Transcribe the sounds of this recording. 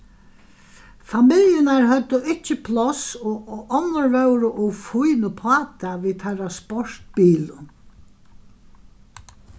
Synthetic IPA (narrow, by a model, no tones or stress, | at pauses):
famɪljɪnaɹɦœt̪ːʊʔɪt͡ʃːɪpʰlɔsɔɔnʊɹvɛwɾʊʔʊfʊjnʊpʰɑːt̪aʋiːt̪ʰaɾaspɔɹ̥t̪biːlʊ